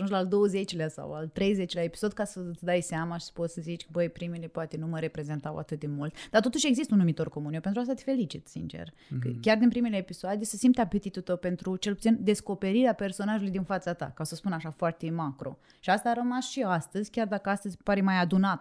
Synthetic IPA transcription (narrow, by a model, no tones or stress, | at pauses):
ʒund͡ʒʲlald̪o̞wəze̞t͡ʃleasa̰wa̰lt̪ɾejze̞t͡ʃleaepi̥so̞d̪kasət̪sd̪ajsamaʃi̥sə̥pot̪səzit͡ʃʲkəbəjpɾimilepoat̪e̞numəɾe̞pɾe̞ze̞nt̪awa̰t̪ɨt̪̚d̪e̞mult̪d̪art̪o̞t̪uʃeɡzist̪əunːumit̪o̞rko̞munjepent̪ɾuast̪at̪e̥fe̞lit͡ʃit̪sḭnt͡ʃḛr | kəkʲard̪inpɾimeleːpisoad̪esəsimpt̪ʲapet̪it̪ult̪əwpe̞nt̪ɾut͡ʃe̞lput̪ind̪e̞sko̞pe̞ɾiɾeape̞rso̞naʒulujd̪infat̪sat̪a̰kaosəspunaʃafoart̪e̞makɾo̞̰ | ʃiast̪aːɾəmasʃiast̪əzʲkʲard̪akəast̪əzʲpaɾemajad̪unat̪